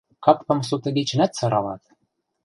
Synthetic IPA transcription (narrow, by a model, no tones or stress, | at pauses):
kɑkp̪ɤ̆ms̬ut̪ɤ̆ɡet͡ɕɘ̆næt̪sɤ̆ɾɑlɑ̰t̪